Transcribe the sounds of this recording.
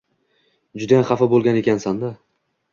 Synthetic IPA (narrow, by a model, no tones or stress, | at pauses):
d͡ʒʊd̪ajamχɑfabolˠɡʲane̞kʲansand̪a